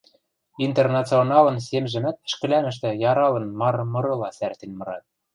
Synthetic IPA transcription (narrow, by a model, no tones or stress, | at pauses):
int̪ernɑt͡sɨonɑlɤ̆nsemʒɘ̆mæt̪̚ʃkɘ̆læmɘ̆ʃ̬t̪ɘ̆jɑɾɑlɤ̆nmɑɾɤmɤ̆ɾɤ̆lɑsært̪enmɤ̆ɾɑ̰t̪̚